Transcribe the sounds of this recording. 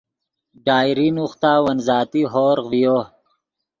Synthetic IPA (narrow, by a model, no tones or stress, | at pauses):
ɖaːjɾinuxt̪aːwɐnzaːt̪iɦoːɾvijoː